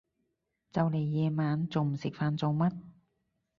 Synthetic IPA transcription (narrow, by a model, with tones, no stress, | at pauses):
t͡sɐ˨˧wle˨˩jːɛː˨˧maː˨˧˥nt͡so˨wm̩˨˩sɪ˨k̚faː˧nt͡so˨˧wmɐ˥t̚